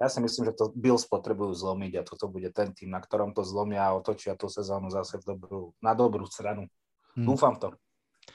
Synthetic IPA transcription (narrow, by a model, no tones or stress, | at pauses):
jasimisliːmʒɛt̪ɔbilspɔt̪ɾɛbujuːzlɔmiɟat̪ɔt̪ɔbuɟɛt̪ɛnt̪iːmnakt̪ɔɾɔmt̪ɔzlɔmɪaːɔt̪ɔt͡ʃɪat̪usɛzɔːnuzasɛvd̪ɔbɾuːnad̪ɔbɾuːst̪ɾanu | d̪uːfamt̪ɔ